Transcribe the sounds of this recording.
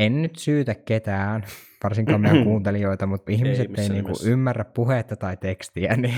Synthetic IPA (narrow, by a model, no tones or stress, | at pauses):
ennyt̪syːt̪ækket̪æːnʋɑrsiŋkɑːmminækuːnt̪elijoit̪ɑmut̪ihmiset̪ːeiniːŋkṵʔymːærːæppuhet̪ːɑt̪ɑit̪ekst̪iæ̰ni